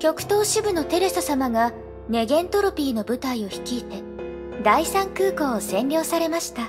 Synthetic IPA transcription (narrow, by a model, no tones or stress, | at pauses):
kʲo̞kɯ̟̥t̪o̞ːɕibɯ̟no̞t̪e̞ɾesosamaɡa | ne̞ɡẽ̞nt̪o̞ɾo̞pʲiːno̞bɯ̟t̪aio̞çi̥kʲiːt̪e̞ | d̪aisãŋkɯːko̞ːsẽ̞nʲɾʲo̞ːsaɾe̞maɕi̥t̪a